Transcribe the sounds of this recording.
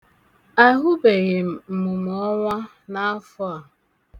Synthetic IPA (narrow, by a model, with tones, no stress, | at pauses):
a˦ɦʊ˦be˨ɣɪ˨m̩˨m̩˨mu˨m˨ɔ˦ŋʷa˦ | na˦fʊ˦a˨